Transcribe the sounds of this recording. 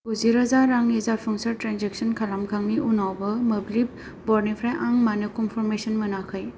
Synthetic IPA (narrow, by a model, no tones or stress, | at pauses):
uziɾazaɾaŋnizaɾpʰɔŋsɐɾtɾanzeksɔnkʰalamkʰaŋniʔunawbɐməblib̚ | bɔɾnipʰɾajʔaŋmanɯkɔnpʰɔɾmesɔnmɯnakʰaj